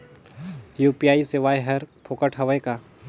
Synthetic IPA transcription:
juːpijaːisɪʋaːjɦɐɾpʰoːkəʈʰɦɐʋəekaː

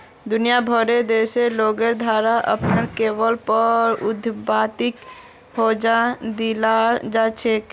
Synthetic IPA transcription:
d̪unijabʱəɾed̪eseloɡeɾd̪ʱaɾaʔə̰pnəɾkebəlpəɾṵd̪ʱbat̪ik | hod͡ʒad̪ilad͡ʒat͡ʃʰek

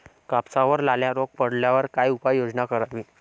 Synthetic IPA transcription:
kapsaʋəɾlaljaɾok̚pəɽ̤ljaʋəɾkajupajod͡znakəɾaʋiː

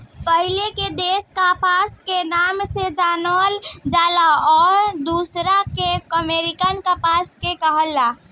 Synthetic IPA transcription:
pəɦileked̪eskapaskenaːmsed͡ʒanld͡ʒaːlaɔːɾd̪usɾakekəmeɾikənkapaskekəɦəlːa

